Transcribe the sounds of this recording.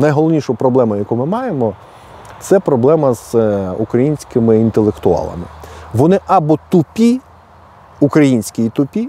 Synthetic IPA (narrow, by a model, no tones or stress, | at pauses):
nɐjɦɔlˠɔʋnʲiʃʊpɾɔblˠɛmɐjɐkumɪmɑjemɔ | t̪sɛpɾɔblˠɛmɐz̥ṵkɾɐjinʲsʲkɪmɪint̪elˠekt̪ʊɑ̰lˠɐ̰mɪʋɔnɪʔɐbɔt̪ʊpʲi | ukɾɐjinʲsʲkʲɪjit̪ʊpʲi